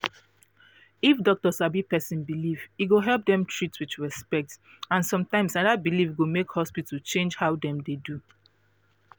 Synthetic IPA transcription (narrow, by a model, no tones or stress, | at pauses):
ifdɔk̚tɔsabipɛsĩnbiliviɡoɦɛlp̚dɛ̃mtʰɹitswit͡ʃɹɛspɛk̚t | ãnsɔ̃mtãɪ̃msadabilifɡomekhɔspitəlt͡ʃẽnd͡ʒhaʊdɛ̃mdedu